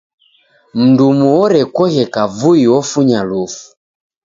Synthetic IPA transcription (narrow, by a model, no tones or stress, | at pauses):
m̩ndumuɔɾɛkɔɣɛkavuiɔfuɲalufu̥